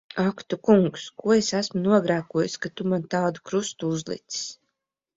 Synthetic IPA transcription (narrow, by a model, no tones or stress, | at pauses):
akt̪ukuŋkskuɔesæsmunuɔɡɾæːkuɔjuskat̪umant̪ɑːd̪ukɾust̪uuzlˠḭt̪si̥s